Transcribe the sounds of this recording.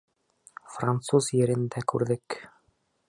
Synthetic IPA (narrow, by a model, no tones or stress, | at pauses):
frant̪suzjɘ̆ɾɘ̆nd̪ækʉ̰ɾðɘk